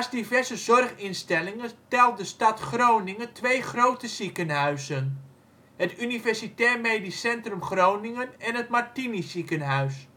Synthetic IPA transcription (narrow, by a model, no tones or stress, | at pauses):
asdivɛrzəzɔrχɪnstɛlɪŋətɛlˠt̚dəstɑtχrownɪŋətʋejχrowtəzikənɦœɥzən | hətynivɛrsitɛːrmejdisɛntrəmχrownɪŋənɛnɦət̚martinisikənɦœɥs